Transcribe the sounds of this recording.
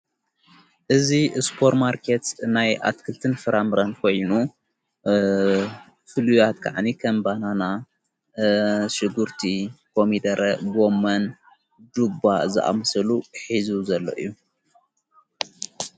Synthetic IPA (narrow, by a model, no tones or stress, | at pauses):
ʔɨziɨspʰo̞ɾmaɾkʰet̪snaja̰t̪kʰɨlt̪ʰɨnfɨɾamɨɾɐnkʰo̞jnu | fɨlujat̪kʰa̰ʕnikʰɐmbanana | ʃɨɡuɾt̪ʰikʰomid̪ɐɾʔɐɡo̞mːɐn | d̪ubazɨʔa̰mɨsɐluħizuzɐlːo̰ʔḭjːu